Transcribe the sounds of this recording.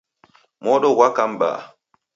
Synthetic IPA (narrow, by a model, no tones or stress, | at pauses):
mɔːɗɔwakamba̰ː